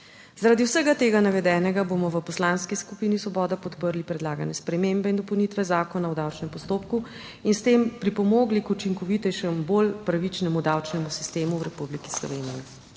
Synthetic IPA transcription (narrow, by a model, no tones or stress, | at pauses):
zaɾad̪iwsəɡat̪eːɡanaʋɛd̪ɛːnɛɡabomɔʋəpɔslanskiskupiːnisʋɔbɔːd̪apɔt̪pəɾlipɾɛd̪laːɡanɛspɾɛmembɛind̪ɔpɔwnit̪ʋɛzaːkɔnawd̪awt͡ʃnɛmpɔst̪oːpku | inst̪empɾipɔmoːɡlikut͡ʃiŋkɔʋit̪ɛjʃɛmbolpɾaʋit͡ʃnɛmud̪awt͡ʃnɛmusist̪eːmuwɾɛpubliki̥slɔ̰ʋeːniji